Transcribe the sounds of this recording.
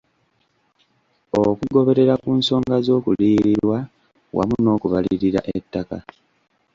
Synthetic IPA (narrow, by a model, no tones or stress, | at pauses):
okuɡo̞βe̞ɾe̞ɾakuːnso̞ːŋɡazo̞ːkuliːɾiɾwa | wʔa̰muno̞ːkuβaliɾiɾa̰ʔetːaka